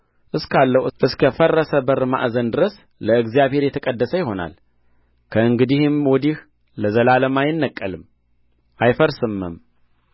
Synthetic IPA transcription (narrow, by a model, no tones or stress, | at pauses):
ʔɨskʰalːəwʔɨskʰəfərːəsəbəɾma̰ʔzənd̪ɨɾəs | ləɨɡzijaβhe̞ɾjɛt̪ʰəkʼəd̪ːəsəjɪho̞na̰l | kʰəɨŋɡɨd̪ihɪmwɔd̪ih | ləzəlaləmajɪnːəkʼːəlɨm | ʔajfəɾsɨmːəm